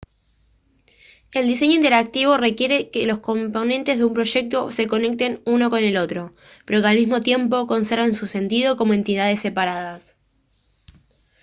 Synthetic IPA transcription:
e̞ld̪is̬e̞ɲoint̪eɾak̚t̪iβo̞re̞kje̞ɾe̞kelo̞sko̞mpo̞nẽ̞nt̪e̞zðeumpɾo̞ʃe̞k̚t̪o̞se̞ko̞ne̞k̚t̪e̞nuno̞ko̞ne̞lo̞t̪ɾo̞ | peɾokalmizmo̞t̪je̞mpo̞ko̞nse̞ɾβensuse̞nt̪ið̞o̞ko̞moe̞nt̪iðað̞e̞sːe̞paɾaðas

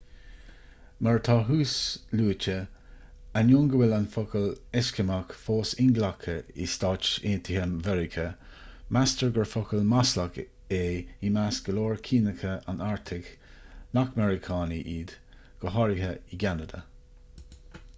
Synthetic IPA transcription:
məɹt̪ʰɑɦuːsluːt͡ʃə | anjoŋɡəwɪlanfʊkəlɛskəmakfoːsɪŋɡlakʰəḭstɑt͡ʃeːnt̪ʰihəmvɛɹɪkʰə | mastəɹɡəɹfɔkəlmaslak | eːimasɡ̥əloːɹkʰiːnəkʰəʔanaɹt̪ʰɪk | nakmɛɹɪkʰɑːniʔiːd̪̥ | ɡ̥əɦɔɹiɦəiɡanəd̪ə̰

